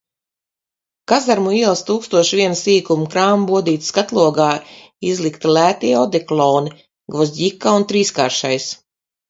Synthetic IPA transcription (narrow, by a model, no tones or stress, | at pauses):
kazaɾmuiːlˠst̪uːkst̪uɔʃvʲiɛnsiːkumkɾaːmbuɔd̪iːt̪sskat̪lˠuɔɡaː | izlˠikt̪ilʲæːt̪iɛɔd̪ɛklˠɔːni | ɡvɔzʲdikːaunt̪ɾiːskaːɾʃajs